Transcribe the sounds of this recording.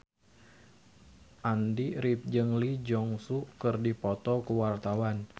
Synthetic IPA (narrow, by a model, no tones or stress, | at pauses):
ʔandiɾip̚d͡ʒəŋlid͡ʒɔŋsukərdipɔt̪ɔkəwart̪awan